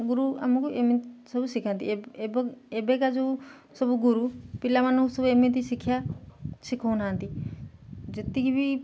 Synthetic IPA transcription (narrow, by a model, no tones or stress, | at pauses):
ɡʊɾṵmũkoʔemẽsəbusɪkʰãnt̪iebebekad͡ʒoː | səbuɡʊɾuːpɪlamankusəbeːmẽt̪isɪkʰjaːsɪkʰoːnãːnt̪iː | d͡ʒɪt̪ikibi